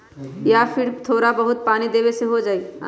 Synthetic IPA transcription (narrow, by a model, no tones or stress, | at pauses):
japʰɪɾt̪ʰoːɾabəɦʊt̪̚paːnid̪eːbeseɦod͡ʒaːi